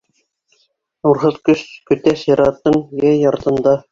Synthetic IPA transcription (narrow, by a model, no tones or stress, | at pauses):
nuɾɦɤðkɵʃkɵ̆t̪æsjɑɾɑt̪ːɤɴjæjːɑɾt̪ɤ̆nd̪ɑ